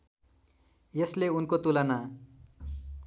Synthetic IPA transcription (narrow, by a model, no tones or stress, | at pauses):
jesleunkot̪ulana